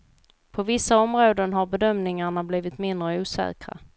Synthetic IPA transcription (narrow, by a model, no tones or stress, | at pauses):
pʰɔvɪsːaɔmɾoːd̪ənɦaɾbɛd̪œmnɪŋaɳabliːvɪt̪mɪnd̪ɾəuːsɛ̰ːkɾa̰